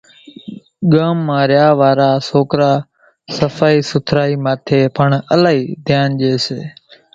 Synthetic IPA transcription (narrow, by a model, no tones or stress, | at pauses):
ɠəːmːãːɾjaːʋaːɾaːsoːkɾaː | səfaːiːsʊt̪ʰɾaːiːmaːt̪ʰeːpəɳəlaːiːd̪ʱjaːnʄeːseː